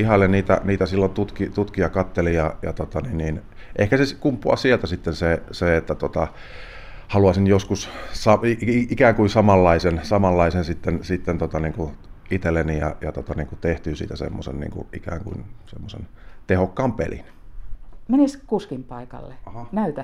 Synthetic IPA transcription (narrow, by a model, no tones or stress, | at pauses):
ihɑlːenniːt̪æ̰niːt̪æsilːont̪ut̪kit̪ut̪kiɑkɑt̪ːelijɑjɑ̰t̪ot̪ɑninniːn | ʔehkæseskumpːuɑ̰sielt̪æsit̪ːenseseet̪ːæt̪ot̪ɑ | hɑluɑsinjoskussɑiikæːŋkuinsɑmɑlːɑisensɑmɑlːɑisensit̪ːensit̪ːent̪ot̪ɑniːŋkuit̪elːenijɑ̰jɑt̪ot̪ɑniːŋkut̪eht̪yːsḭːt̪æsḛmːo̰sḛnnḭːŋkṵʔḭkæ̰ːŋkṵinsḛmːosḛnt̪ehokːɑːmpḛlḭn | meniskuskimpɑikɑ̰lːeɑhɑnæyt̪æ